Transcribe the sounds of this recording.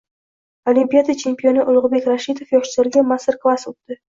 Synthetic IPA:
olʲimpʲijad̪at͡ʃʰe̞mpʲio̞nɪʔʊlˠʊʁʊbe̞kʲɾaʃid̪ofjɒχt͡ʃɪzaɾɡʲamasɨrklˠasot̪d̪̥ɪ

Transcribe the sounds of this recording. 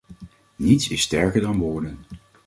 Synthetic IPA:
nitsɪsːtɛɹkəɹdɑnʋʊːɹdən

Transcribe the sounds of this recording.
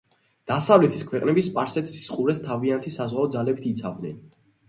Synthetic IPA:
d̪̥asavlɛt̪ʰiskʰwɛqʼnɛbispʼaɾsɛt̪ʰi̥si̥sqʼuɾɛst̪ʰaviant̪ʰisazʁaɔd̪zalɛbit̪ʰit̪sʰa̰vd̪nɛ̰n

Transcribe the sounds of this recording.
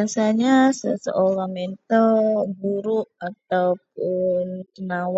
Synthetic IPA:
aŋsaɲasəsə̰ʔolamɛnt̪ɔbuɾuʔat̪awp̚unkənaw

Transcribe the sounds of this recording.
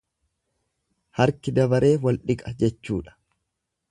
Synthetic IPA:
hɐɾkɪd̪ɐbɐɾe̞ːwɐlᶑɪkʼɐd͡ʒɛt͡ʃːuːᶑɐ̥

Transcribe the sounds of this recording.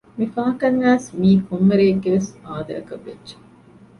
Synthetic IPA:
mifaːʈɐnːæːsmiːkʰumːeɾeːɡːeʋesaːd̪ɐ̰jɐkɐʋːedːʒe̥

